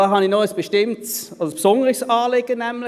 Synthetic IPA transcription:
ɑːɦɑnɪnɔəsb̥əʃtɪmtsɔspsɔnəʁɪçsɑːleɡ̥ənɛmlɪ

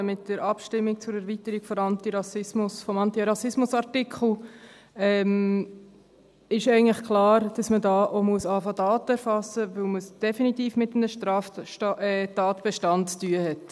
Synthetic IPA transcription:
mɪt̚d̥əɾʔɑpʃtɪmːɪk̚t͡sʊɾæɾvitəɾiɡ̥fɔɾɑnt̪iɾɑsɪsmʊsfɔmɑntiɾɑsɪsmʊsɑɾtɪkχl̩ | ɛm | ɪʃɛɪɡəŋ̩tləχklɑːɾd̥ɑsmədɑːʔomuəsɑːfɑdɑːtəɛɾfɑsəvɵlməsd̥ɛfinitiːfmɪtəm̩əʃtɾɑːf | tɑːtb̥ɛʃtɑntt͡styəhɛt

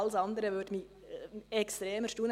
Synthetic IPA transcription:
ləsɑnd̪əɾəʋʏdmi | ɛkst̪ɾeːməʃtuːn

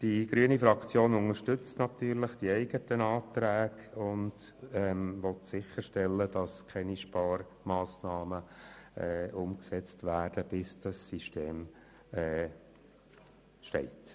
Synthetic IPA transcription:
d̥iɡ̥ɾyːənifɾɑkt͡sjoːnʊŋəɾʃtʏt͡stnɑt̪yːɾləχd̥iɛɪɡətənɑːtɾæːɡ̥ʊnd̥ɛmʋɔtsɪχəɾʃtɛlːəd̥ɑskʰɛniʃpɑːr | mɑːsnɑːməɛːʊmksɛt͡stʋæːd̥əb̥ɪsd̥ɑsːiʃteːm | ɛː | ʃtɛ̰ɪt

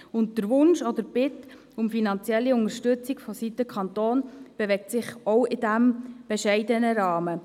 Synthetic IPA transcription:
ʊnt̚d̥əɾʋʊnʃɔd̪əɾb̥ɪt | ʊmfinɑnt͡sjɛlːiʊnəɾʃtʏt͡sɪɡfɔsit̪əkʰχɑnt̪oːnb̥eʋɛk̚tsɪχɔʊʔɪdæmb̥eʃɛɪdənəɾɑːmə

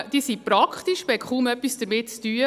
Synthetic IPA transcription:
d̥iːsipɾɑkχt̪iʃbɛkχuːmœpːisd̥əɾmɪtt͡styːə

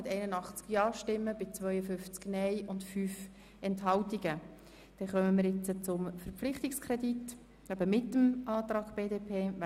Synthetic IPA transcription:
ɪtɛɪnənɑχt͡skjɑːʃtɪmːəb̥ɪt͡svʋœʏəfʏnft͡sknɛɪʊntfyːf | ɛnthɑwtiɡə | d̥ɛχœməmɪːɾjɪt͡sət͡sʊmfəɾpp͡flɪχtikskʰɾɛdit | ɛbəmɪtːəmɑːt̪ɾɑːɡb̥eːdeːpʰeːʋ

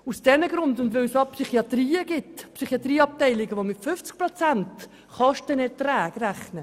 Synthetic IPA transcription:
usd̥ɛnəɡɾʊndʊndʋɛlsɑpsyχiɑt̪riːəɡɪtpsyχiɑt̪riːɑp̚tɛɪlɪɡəʋomɪtfʏft͡sk̚pɾot͡sænt | χɑʃtənɛtrɛːɡræχnə

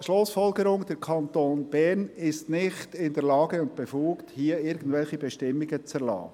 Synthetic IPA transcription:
ʃlʊsfɔlɡəɾʊŋd̥̪ɛɾkʰɑnt̪oːnb̥ɛɾnɪstnɪχtɪndɛɾlɑːɡəʊnt̚b̥efuːkthiəɪɾɡən̩d̥vɛlxibɛʃtɪmːɪɡət͡sɛɾlɑ̰ː

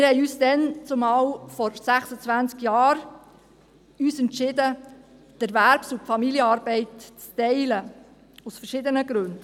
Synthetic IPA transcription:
ɪɾhɛɪyːsdɛnt͡sʊmɑːwfɔɾsæχsət͡sʋænt͡skjɑːɾ | yːsɛntʃɪdə | d̥ɛɾʋæɾpsufɑmiljəɑːɾbɛɪtt͡stɛɪlə | usfəɾʃɪdənəɡ̥ɾʉnd

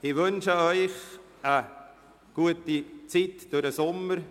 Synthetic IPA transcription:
ɪʋʏnʃəœʏχ | ə | ɡ̥uətit͡sitd̥ʊɾəsʊməɾ

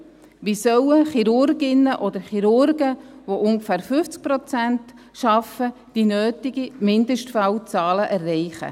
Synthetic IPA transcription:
ʋisœwəχiɾʊɾɡɪnːəʔɔd̪əɾχiɾʊɾɡəʋoʔʊŋɡəfæːɾfʏft͡sk̚pɾɔt͡sænt | ʃɑfə | d̥inøːtɪɡ̥imɪnd̪əʃtfæwt͡sɑːləʔærːɛɪχə̰

